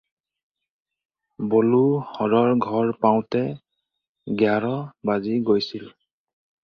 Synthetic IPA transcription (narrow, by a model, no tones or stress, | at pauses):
boluhɔɹɔɹɡʱɔɹpaw̃tɛ | ɡjaɹɔbaziɡojsil